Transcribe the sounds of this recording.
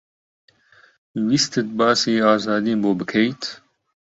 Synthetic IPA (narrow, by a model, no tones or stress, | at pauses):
wist̪ʰɨt̪̚bɑːsiːaːzaːd̪iːnboːbɨkʰɛjt̪ʰ